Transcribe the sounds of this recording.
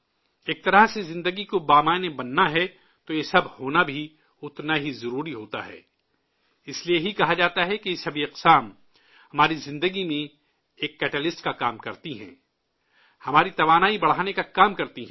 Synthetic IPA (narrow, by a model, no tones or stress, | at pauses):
eːk̚t̪ɐɾəɦsezɪ̃nd̪əɡikobaːmaːnebɐnːaɦɛ | t̪ojesɐbhoːnabʱi | ʊt̪naɦizɐɾuːɾiɦoːt̪a̰ɦɛ̰ː | ɪslieɦikɐɦad͡ʒaːt̪aɦɛkisɐbʱiɐqsaːm | hɐmaːɾizɪ̃nd̪əɡimẽ | eːkːɛːʈəlɪsʈkakaːmkɐɾt̪iɦɛ̰̃ː | hɐmaːɾit̪ɐʋaːnaːibɐɽ̤aːnekakaːmkɐɾt̪iɦɛ̃ː